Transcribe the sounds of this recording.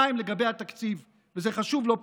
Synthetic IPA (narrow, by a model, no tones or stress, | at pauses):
aimle̞ɡabejhat̪akt͡siv | veze̞χaʃuvlo̞p